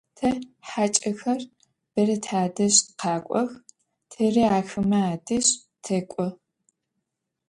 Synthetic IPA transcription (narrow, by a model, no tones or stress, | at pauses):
tʰɐħat͡ʃʼɐxɐr | b̥ɐrɐtʰaːdɐɕqaːkʷʼɔx | tʰɐriaːxɨmɐaːdɨɕ | tʰɐkʷʼɔ